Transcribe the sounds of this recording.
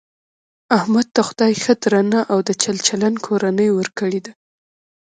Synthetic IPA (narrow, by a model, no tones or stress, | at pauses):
ahmad̪̚t̪axʊd̪ɑjxəd̪ɾanaʔawd̪ət͡ʃalt͡ʃalankʰoɾanəjwəɾkəɽed̪a